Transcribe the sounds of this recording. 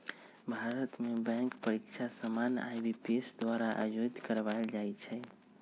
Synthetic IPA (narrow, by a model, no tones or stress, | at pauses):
bʱaɾət̪mebɛ̃ŋkpəɾikt͡ʃʰasəmana̰jbipesd̪waɾaʔa̰jod̪ʱkəɾʋald͡ʒajt͡ʃʰɛ